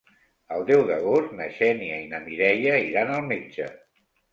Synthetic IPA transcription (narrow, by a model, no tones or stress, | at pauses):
əlˠd̪ɛwðəɣornəʃɛniəinəmiɾɛʎəiɾanəlˠmed͡ʒə